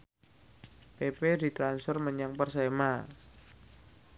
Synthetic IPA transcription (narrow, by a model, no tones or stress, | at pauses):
pepedi̤t̪ɾansfərməɲaŋpərsema